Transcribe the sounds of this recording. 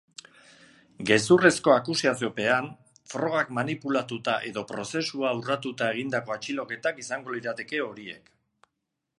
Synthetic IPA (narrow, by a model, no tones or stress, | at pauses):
ɡe̞sure̞sko̞akusiasio̞pe̞an | fɾo̞ɣ̞akmanipulat̪ut̪aʔe̞ðo̞pɾo̞se̞suaurat̪ut̪ae̞ɣ̞ind̪ako̞at͡ʃilo̞ke̞t̪akisaŋɡo̞liɾat̪e̞ke̞o̞ɾie̞̰k